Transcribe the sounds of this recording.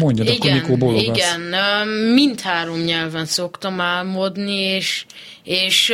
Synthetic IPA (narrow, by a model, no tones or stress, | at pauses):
moɲɟɔd̪ɔikɡːomikoːboliɡɡɛnømint̪haːɾo̞mɲɛlvɛnso̞kt̪ɒmaːlmod̪nieːʃ | eːʃ